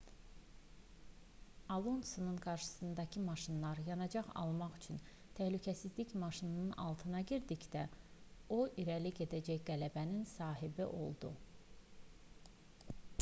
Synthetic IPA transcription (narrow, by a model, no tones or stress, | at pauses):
ɑlˠonsonunɡɑɾʃɯ̥sɯnd̪ɑcʰɯmɑʃɯnlˠɑɾjɑnɑd͡ʒɑχɑ̰lˠmɑχyt͡ʃʰyn | t̪ʰæhlycʰæsizliçmɑʃinnɯnʔɑ̰lˠt̪ʰɯnɑɟiɾd̪içd̪æoʔiɾæliɟe̞d̪æd͡ʒæçɡælæbæninsɑːɦibiʔo̞̰lˠd̪ṵ